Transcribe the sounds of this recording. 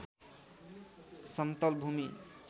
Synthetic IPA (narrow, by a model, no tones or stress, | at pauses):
sʌnt̪ʌlbʱumi